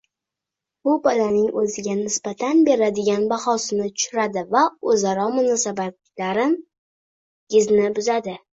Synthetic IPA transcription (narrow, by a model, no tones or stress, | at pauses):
b̥ʊbɒd̪anɪŋʔɵzɪɡʲanɪsbat̪ʰanbe̞ɾad̪ɪɡʲanbaχɒsɪnɪt̪ʰʊ̥ʃʊɾad̪ɪvaɵzaɾɒmʊnɒsabat̪ | laɾɪn | ɡʲɪznɪbʊzad̪ɪ